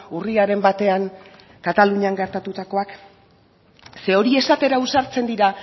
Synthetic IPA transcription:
uriaɾe̞mbat̪e̞aŋ | kat̪aluɲaŋɡe̞ɾt̪at̪ut̪ako̞ak | se̞o̞ɾie̞sat̪e̞ɾausaɾt͡se̞nd̪iɾa

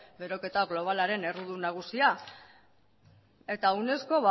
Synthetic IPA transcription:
be̞ɾo̞ke̞t̪aɣlo̞β̞alaɾe̞ne̞ruðunaɣ̞usia | e̞t̪aune̞sko̞βa

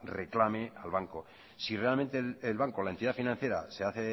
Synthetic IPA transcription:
reklame̞alβaŋko̞ | sire̞alment̪e̞lelβaŋkolaent̪iðafinãn̟θje̞ɾa̰seaθe

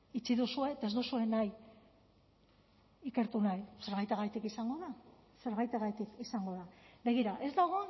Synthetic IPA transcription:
it͡siðusue̞t̪aezd̪usue̞naj | ike̞ɾt̪unajse̞ɾɣajt̪eɣajt̪ikisaŋɡo̞ða | se̞ɾɣajt̪eɣajt̪ikisaŋɡo̞ðabe̞ɣ̞iɾaʔe̞zd̪aɣ̞o̞

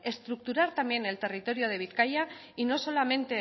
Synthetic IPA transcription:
e̞st̪ɾuk̚t̪uɾaɾt̪ambje̞ne̞lt̪e̞rit̪o̞ɾjo̞ð̞e̞β̞iθkaja | ino̞so̞lamẽ̞nt̪e̞

